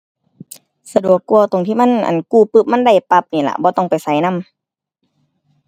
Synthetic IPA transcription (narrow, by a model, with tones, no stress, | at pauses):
sa˧du˨˩əkːu˧ət̪o˨˩ŋt̪ʰiː˧˥˨ma˧˥˨nʔa̰˨˩nkuː˧˩pːɯː˧˩p̚ma˧˥˨nda˧˩jpa˧˦p̚niː˧˩˨la̰˧˨bɔː˧˦t̪ɔ˧˩˨ŋpa˨˩jsa˨˦jna˧˥˨m